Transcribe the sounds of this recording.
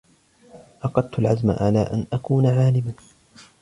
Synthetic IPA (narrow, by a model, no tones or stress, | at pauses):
ʔɑqɑd̪̚t̪ʊlʕazma̰ʕalaːʔanʔakuːnaʕaːlɪman